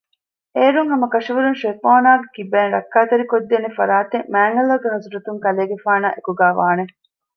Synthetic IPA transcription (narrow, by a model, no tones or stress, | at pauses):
eːɾuŋɦɐmɐkɐʂiʋuɾunʃepoːnaːɡekibæːnɾɐ̰kːaːt̪ɐɾikod̪ːeːnefɐ̰ɾaːt̪eŋmæːŋɡɐlɐɡeɦɐzuɾɐt̪uŋkɐleːɡefaːna̰ːʔekuɡaːʋa̰ːne